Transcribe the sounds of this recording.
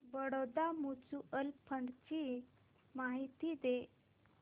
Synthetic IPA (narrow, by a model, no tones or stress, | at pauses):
bəɽod̪amut͡suʔəlpʰəɳɖt͡ɕi | maɦit̪id̪e